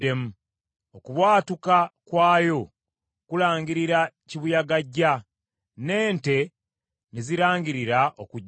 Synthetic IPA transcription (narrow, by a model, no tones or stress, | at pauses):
emu | okuβwaːtukakwaːjo̞ | kulaːɲɟiɾiɾa | ciβujaɡaɟːa | ne̞ːnte̞ | niziɾaːɲɟiɾiɾaʔokuɟ